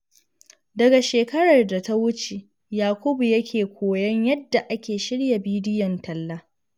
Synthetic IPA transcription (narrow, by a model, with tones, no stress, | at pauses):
dɐ˨ɡa˨ʃeː˨kɐ˦ɽɐ˨rda˨ta˦wʊ˦t͡ʃe˨ | jaː˨kʷʊ˦bu˨jɐ˦kʲʰeː˨kʷʰoː˨jɐ˦ɲjɐ˦dːa˨ʔa˦kʲeː˨ʃɪ˦ɽja˨biː˦dɪ˦jɐ˨ntɐ˨lːaː˦